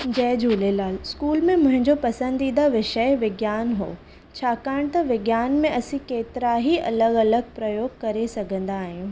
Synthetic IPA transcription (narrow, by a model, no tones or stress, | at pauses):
d͡ʑɛːd͡ʑuːlelaːlskuːlmẽmʊ̃ɦɪ̃ɲd͡ʑopɐsə̃nd̪iːnd̪aʋɪʃəjʋɪɡjaːnɦo̰ː | t͡ɕʰaːkaːɪɽ̃t̪ɐʋɪɡjaːnmẽʔɐsĩkeːt̪ɪɾaɦiʔɐ̰ləɡɐləɡ̚pɾɐjoːɡ̚kɐɾesɐɡʱə̃nd̪aːɦĩj̃ũː